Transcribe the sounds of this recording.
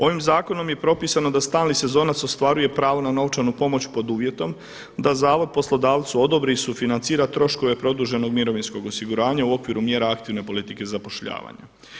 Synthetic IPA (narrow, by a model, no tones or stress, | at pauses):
o̞ʋimzaːko̞no̞mje̞pɾo̞piːsano̞d̪ast̪aːlnise̞zo̞ːnat̪so̞st̪ʋaɾuje̞pɾaːʋonano̞ʋt͡ʃanupo̞mo̞t͡ɕpo̞d̪uːʋje̞t̪o̞m | d̪azaːʋo̞d̪̚po̞slˠo̞d̪aːʋt̪suo̞d̪o̞bɾiisufinant̪siːɾat̪ɾo̞ʃko̞ʋe̞pɾo̞d̪uːʒe̞no̞ɡmiɾo̞ʋinsko̞ɡo̞siɡuɾaːɲauo̞kʋiɾumje̞ːɾaakt̪iʋne̞po̞lit̪ike̞zapo̞ʃʎa̰ːʋa̰ɲa̰